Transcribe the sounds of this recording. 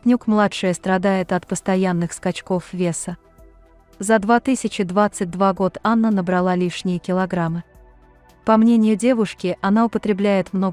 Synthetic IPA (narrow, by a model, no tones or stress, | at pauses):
pʲnʲukmlˠatʂɨjəst̪ɾɐd̪ajɪt̪ɐt̪pəst̪ɐjanːɨxskɐt͡ɕko̞fvʲe̞sə | zɐd̪vat̪ɨsʲɪt͡ɕɪd̪vat̪sɨt̚ʲd̪vaɡo̞t̪anːənəbɾɐlˠalʲiʂnʲɪjəkʲɪlˠɐɡɾamɨ | pɐmnʲenʲɪjʊdʲe̞vʊʂkʲɪʔɐnaʊpət̪ɾʲɪblʲæjɪt̪mno̞